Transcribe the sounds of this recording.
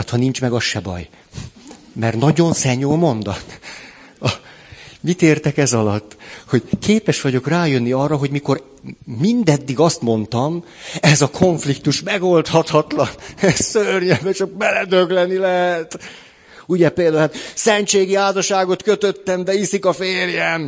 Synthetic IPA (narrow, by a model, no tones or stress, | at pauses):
t̪hɒnint͡ʃmɛɡɒʃɛbɒ̰j | mɛrnɒɟo̞nsɛɲoːlmo̞nd̪ɒt̪ | ɒ | mit̪eːrt̪ɛkɛzɒlɒt̪ːho̞ɟkʰeːpɛʃʋɒɟo̞kraːjø̞nːiɒrːɒɦo̞ɟmiko̞rː | ind̪ɛd̪ːiɡɒst̪mo̞nt̪ɒm | ɛzɒkʰo̞ɱflikt̪uʃmɛɡo̞lt̪hɒt̪hɒt̪lɒnɛsørɲɛbɛt͡ʃɒk̚mɛlɛd̪øɡlɛnːilɛɦɛt̪ | uɟɛpeːld̪aːulat̪sɛnt͡ʃeːɡiaːzɒʃaːɡo̞t̪køt̪øt̪ːɛmd̪ɛisikɒfeːrjɛn